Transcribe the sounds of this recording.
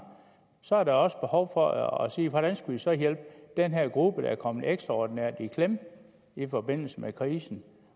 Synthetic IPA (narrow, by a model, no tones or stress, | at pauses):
sɒ̽æɐɾ̥ɑɒ̽sə̥b̥e̝hɒʊ̰fɒɒsḭːʋɒɾ̥ænsɡ̥uʋisɒ̽jel̰b̥d̥enɦeɐɡ̥ʁub̥əd̥ɑæɐkʰɒ̽m̰əð̩ˠeɡ̥sd̥ʁɑɒːd̥inæɐ̰d̥ikʰlem | ifɒ̽b̥e̝n̰l̩səmekʰʁiːsn̩